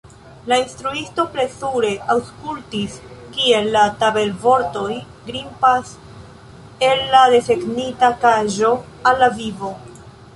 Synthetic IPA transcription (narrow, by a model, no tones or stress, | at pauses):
lainstɾuisto̞pɾe̞suɾe̞ʔawskultiskie̞lːatabe̞lvo̞ɾto̞j | ɡɾimpas | e̞lːade̞se̞ɡnitakaʒo̞ | alːavivo̞